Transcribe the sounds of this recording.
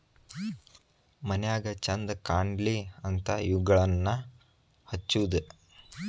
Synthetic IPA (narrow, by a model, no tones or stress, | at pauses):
mɐnɛjaːɡɐt͡ʃɐnd̪ɐkaːɳɖliɐnt̪ʰɐjuɡɐɭɐnːɐ | hɐt͡ʃːuʋud̪e